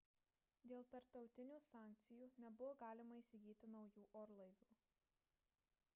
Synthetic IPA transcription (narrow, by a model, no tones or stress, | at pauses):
d̪ʲeːlˠt̪ɐɾpt̪ɒʊt̪ʲɪnʲuːsɑːˑŋʲk̚t̪sʲɪjuːnʲɛbʊʋoɡɑːlʲɪmɐiːsʲɪɡʲiːt̪ʲɪnɒʊjuːʔoːɾlˠɐɪʋʲuː